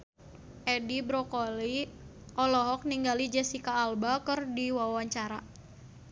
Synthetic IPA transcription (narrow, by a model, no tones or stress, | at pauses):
ʔɛdibɾɔkɔli | ʔɔlɔɦɔk̚niŋɡalid͡ʒɛsikaːlbakərdiwawaɲt͡ʃaɾa